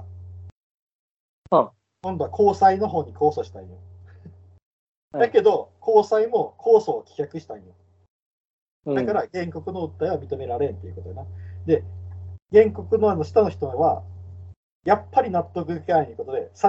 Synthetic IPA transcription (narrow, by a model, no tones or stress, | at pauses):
kõ̞nd̪o̞akʰo̞ːsaino̞ɦo̞ːɲ̟iko̞ːso̞ɕi̥t̪ã̰jo | d̪ake̞d̪o̞kʰo̞ːsaimo̞kʰo̞ːso̞ːkʲi̥kʲakɯ̟ɕi̥t̪aĩjo | d̪akaɾaɡẽ̞ŋko̞kɯ̟no̞ɯ̟t̪ːaiβamʲit̪o̞me̞ɾaɾẽ̞nt̪ːe̞jiɯ̟kot̪ojanad̪e̞ɡẽ̞ŋko̞kɯ̟no̞ano̞ɕi̥t̪ano̞çi̥t̪oβa̰ | japːaɾʲinat̪ːo̞kɯ̟ɡkainiko̞t̪o̞d̪e̞sa